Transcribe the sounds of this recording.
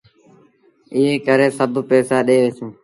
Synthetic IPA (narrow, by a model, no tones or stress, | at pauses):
ɪɦeːkəɾeːsəbʱpɛːsaːɗeːʋesẽː